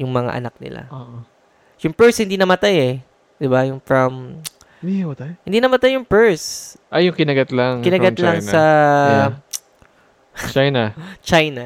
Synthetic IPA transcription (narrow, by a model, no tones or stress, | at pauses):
jʊŋmɐŋa̰ʔɐ̰nak̚nɪ̰la̰oʔ | jʊŋpɛɹshɪnd̪iːnɐmɐt̪ajɛ | d̪ɪbajʊŋfɹɐm | mɐt̪ajhɪnd̪iːnɐmɐt̪ajːʊŋpɛɹsʔɐjʊŋkɪnɐɡɐt̪laŋkɪnɐɡɐlaŋɐ | t͡ʃajnɐt͡ʃajnɐ